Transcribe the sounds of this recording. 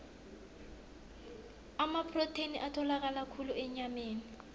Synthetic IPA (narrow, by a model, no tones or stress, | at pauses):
amapʰʼrɔtʰeniʔatʰɔlak̬ʼalakʰuluɛɲameːni